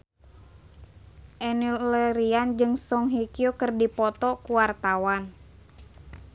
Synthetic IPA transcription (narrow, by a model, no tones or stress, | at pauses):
ʔɛnillɛɾiand͡ʒɨŋsɔŋɦikiokərdipɔt̪ɔkuwart̪awan